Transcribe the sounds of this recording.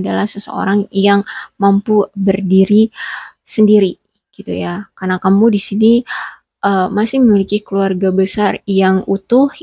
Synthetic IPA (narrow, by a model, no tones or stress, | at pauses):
adalahsəsə̰o̰ɾaŋjaŋmampubərdiɾisəndiɾi | ɡ̥it̪ujakarnakamudisini | ʔəmasɪhməmilikikəluarɡabəsarjaŋut̪ʊh